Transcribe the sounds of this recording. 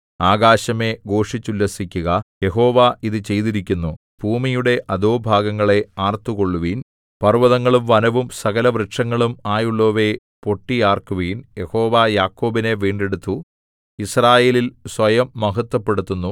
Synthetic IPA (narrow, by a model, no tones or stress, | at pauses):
aːɡaːɕɐme̞ɡo̞ːʂit͡ɕːulːɐsikʲːuɣɐje̞ɦo̞ːʋaʔiðɨt͡ɕe̞jt̪iɾikʲːunːu | b̥ʱuːmijuɽe̞ʔɐd̪oːbʱaːɡɐŋːɐɭe̞aːrt̪ːuko̞ɭːuʋiːn | pɐrʋɐðɐŋːɐɭumʋɐnɐʋumsɐɣɐlɐʋrɾɨʈʂɐŋːɐɭumaːjuɭːo̞ːʋe̞ | po̞ʈːijaːrkuʋiːnje̞ho̞ːʋajaːkːo̞ːbine̞ʋiːɳɖeɽut̪ːu | israːje̞ːlilsʋɐjɐmːɐɦɐt̪ːwɐpːe̞ɽut̪ːunːu